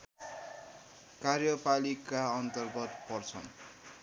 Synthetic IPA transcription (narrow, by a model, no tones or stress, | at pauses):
karjʌpalikaʌnt̪ʌrɡʌt̪̚pʌrt͡sʰʌn